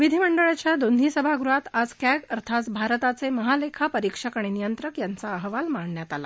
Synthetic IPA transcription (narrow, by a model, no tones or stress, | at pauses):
ʋid̪ʱiməɳɖəɭat͡ɕjad̪ond̪ʱisəbʱaɡɾuɦat̪ad͡zkjaɡəɾt̪ʰat͡sbʱaɾət̪at͡seməɦalekʰapəɾikʂəkaɽ̃inijənt̪ɾəkjant͡saəɦʋalmaɳːjat̪ala̰